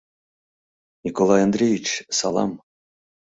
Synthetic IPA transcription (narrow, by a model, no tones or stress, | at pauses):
nʲikolˠɑjand̪ɾʲejʲit͡ɕsɑ̰lˠɑ̰m